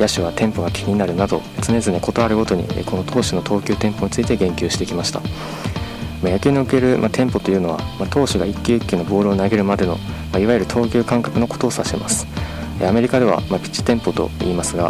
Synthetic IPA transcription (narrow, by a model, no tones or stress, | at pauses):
jaɕiβ̞at̪ʰẽ̞mpo̞ɡakʲʰi̥ɲ̟inaɾɯ̟nad̪o̞̰t͡sɨne̞zɨɲeko̞t̪o̞aɾɯ̟ɡo̞t̪o̞ɲ̟ḭko̞no̞t̪ʰo̞ːɕino̞t̪ʰo̞ːkʲɨːt̪ẽ̞mpo̞ɲ̟it͡sɨit̪e̞ɡẽ̞ŋkʲɨːɕi̥t̪e̞kʲimaɕi̥t̪a̰ | majakʲɨːɲ̟io̟ke̞ɾɯ̟mat̪ʰẽ̞mpo̞t̪o̞jɯ̟ːno̞βa̰mat̪o̞ːɕiɡaikʲːɨɯkʲːino̞bo̞ːɾɯ̟ːnaɡe̞ɾɯ̟mad̪e̞no̞̰ | maiβajɨ̟ɾɯ̟t̪ʰo̞ːkʲɨːkãŋkḁkɯ̟no̞ko̞̥t̪o̞ːsaɕema̰sɨ̥ | ḛame̞ɾʲikad̪e̞βa̰mapʲi̥t͡ɕi̥t̪ẽ̞mpo̞t̪o̞̰ḭːmasɨɡa̰